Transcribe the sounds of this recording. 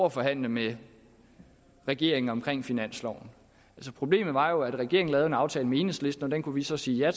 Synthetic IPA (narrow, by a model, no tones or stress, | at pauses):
ɐfɒ̽ɦæn̰ləme | ʁɛɡ̥e̝ɐ̰e̝ŋ̩ɒ̽mkʰʁeŋ̰finæn̰slɒʊ̰n̩ | ælsəpʰʁo̝b̥le̝̰ːmð̩ˠʋɑ̈jo̝æd̥ʁɛɡ̥e̝ɐeŋn̩lɛːðˠenɑ̈ʊt͡sʰɛːləmee̝ːnsle̝sd̥n̩ɒ̽d̥enkʰuʋisɒ̽siːjæ